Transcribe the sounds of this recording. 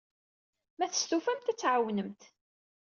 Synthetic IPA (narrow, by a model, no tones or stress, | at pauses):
mæθəst̪ufæmt̪æt͡sːʕawnəmt̪